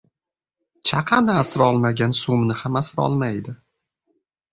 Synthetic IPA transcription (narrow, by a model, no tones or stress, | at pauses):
t͡ʃʰaqʰɑnasɪɾɒlˠmaɡʲansumnɪhamasɾɒ̰lˠmajd̪ɪ